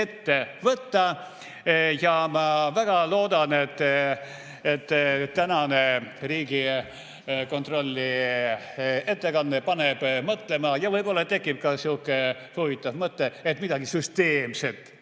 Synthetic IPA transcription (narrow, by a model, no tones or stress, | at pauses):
et̪ːevɤt̪ːɑ | jɑmɑvæɡ̥ɑlo̞ːd̪ɑnet̪ː | et̪ːt̪ːænɑneriːɡ̥i | ko̞nt̪ro̞lʲːi | e̞t̪ːe̞kɑnːepɑneb̥mɤt̪le̞mɑjɑvɤjbo̞lːɑt̪ːe̞kːˑip̚kɑsukːˑehovit̪ːˑɑvmɤt̪ːeet̪mid̪ɑɡ̥isyst̪e̞ːmset̪ˑ